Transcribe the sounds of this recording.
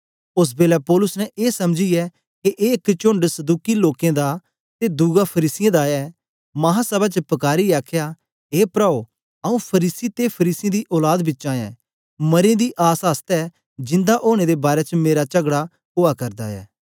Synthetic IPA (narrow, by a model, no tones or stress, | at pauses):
ʊs̬beːlɛpɔːlʊsnɛ̃ʔeːsɐmd͡ʒijɛ | keʔeɪkt͡ʃʊ̃ɳɖsɐd̪uːkiloːkẽd̪a | t̪ed̪uːɡapʰɐɾiːsɪjãd̪aɛː | mɐɦãsɐbat͡ʃəpɐkaːɾiaːkʰjaː | eːpɾaːo | ɐũpʰɐɾiːsit̪epʰɐɾiːsɪẽd̪iʔɔːlaːd̪bɪtːt͡ʃãːɛ̰̃ː | mɐɾẽd̪iʔaːsɦəst̪ɛː | d͡ʒɪ̃nd̪aʔoːɽ̃ed̪ebaːɾɛt͡ʃəmeːɾat͡ʃɐɡɽa | koːakɐɾd̪a̰ɛ̰ː